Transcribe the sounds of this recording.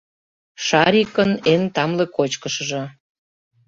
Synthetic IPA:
ʃɑɾʲikənent̪ɑmlĕkot͡ɕkəʃɤ̆ʒɤ̆

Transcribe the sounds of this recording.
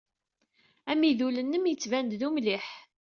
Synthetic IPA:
æmiðulənːəmjət͡sːvænd̪ðumliħ

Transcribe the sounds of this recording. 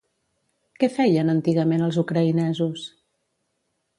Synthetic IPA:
kɛfɛjənənt̪iɣəmenəlˠzukɾəinɛzus

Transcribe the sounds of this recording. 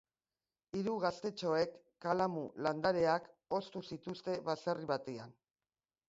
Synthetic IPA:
iɾuɣast̪e̞t͡ʃo̞e̞kːalamuland̪aɾe̞ako̞st̪usit̪ust̪e̞βaseriβat̪e̞an

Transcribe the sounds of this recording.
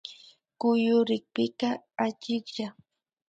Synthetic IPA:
kʊjʊɾɪk̚pɪkaat͡ʃɪkʒa

